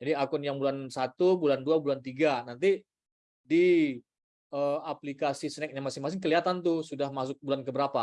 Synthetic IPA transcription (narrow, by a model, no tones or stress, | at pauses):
d͡ʒadiakɔnjaŋbulansat̪ubulanduabulant̪iɡanant̪̬i | di | əaplikasisənɛk̚ɲaŋmasɪŋmasɪŋkəliat̪ant̪̬ʊsudahmas̬ʊk̚bulankəbəɾapa